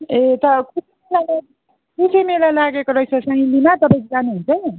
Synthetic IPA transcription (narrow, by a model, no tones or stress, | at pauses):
et̪ʌkusimelala | kusemelalaɡekoɾʌit͡sʰʌsãĩlimat̪ʌpaj̃kod͡zanuɦunt͡sʰʌ